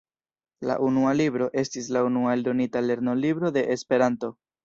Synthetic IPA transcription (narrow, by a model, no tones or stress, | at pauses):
la̰ʔunualibɾo̞ʔe̞stislaunuaeldo̞nitale̞ɾno̞libɾo̞de̞ʔespe̞ɾanto̞